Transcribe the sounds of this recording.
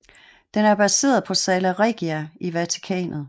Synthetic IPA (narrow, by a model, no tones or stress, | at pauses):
d̥enæɐb̥æse̝̰ːɐð̞̩ˠpʰɒ̽sɛːlæʁeɡ̥iæiʋæt͡sʰi̥kʰɛ̰ːnð̩ˠ